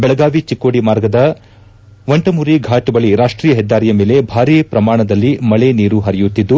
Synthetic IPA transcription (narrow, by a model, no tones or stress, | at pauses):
bɛɭɐɡaːʋit͡ʃikːoːɽimaːɾɡɐd̪ɐ | ʋɐɳʈɐmuːɾiɡʱaːʈubɐɭiɾaːʂʈɾiːjɐɦɛd̪ːaːɾijɐme̞ːle̞bʱaːɾiːpɾɐmaːɳɐd̪ɐlːimɐɭeniːɾuɦɐɾɐjut̪ːid̪ːu